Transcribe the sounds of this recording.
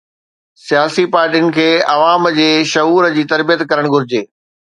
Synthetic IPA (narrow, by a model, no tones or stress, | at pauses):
sijaːsipaːɾʈiʊnɪ̆kʰeːɐʋaːmd͡ʑeːʃɐɦuːɾəd͡ʑiːt̪ɐɾbijət̪kɐɾəɽ̃ɡʱʊɾɪd͡ʑeː